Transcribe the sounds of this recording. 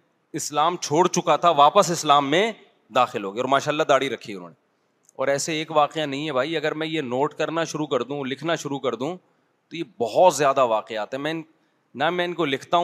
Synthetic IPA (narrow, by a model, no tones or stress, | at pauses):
ɪslaːmt͡ʃʰoːɽt͡ʃʊkat̪ʰaʋaːpəsɪslaːmːẽ | d̪aːxɪlɦoːɡiɔːɾmaːʃaːlːad̪aːɽiɾɐkʰːiʊnɦo̰ːne | ɔ̰ːɾɛːseeːkʋaːqeanɐɦĩɦɛbʱaːiɐɡəɾmɛ̃jenoːʈkɐɾnaʃʊɾukɐɾd̪ũlɪkʰnaʃʊɾukɐɾd̪ũ | t̪ojebɐɦɔt̪zjaːd̪aʋaːqeaːt̪ɦɛ̃mɛ̃ɪn | nɐmɛ̃ɪnkolɪkʰt̪aɦ